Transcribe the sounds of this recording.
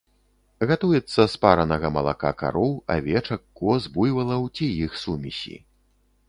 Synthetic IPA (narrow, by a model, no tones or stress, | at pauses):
ɣat̪ujɛt̪sːɐspaɾɐnɐɣɐmɐlˠa̰ka̰ka̰ɾɔwa̰vʲɛt͡ʂɐkːɔzbujvɐlˠɐwt͡sʲijixsumʲisʲḭ